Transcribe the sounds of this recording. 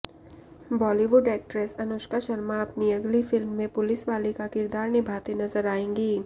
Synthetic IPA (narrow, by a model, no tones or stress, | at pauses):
bɔːliʋʊɖɛːk̚ʈɾəsɐnoːʃkaʃɐlmaɐpniɐɡlifɪlmːẽpʊlɪsʋaːlikakɪɾd̪aːɾnɪbʱaːt̪enɐzəɾaːẽːŋɡiː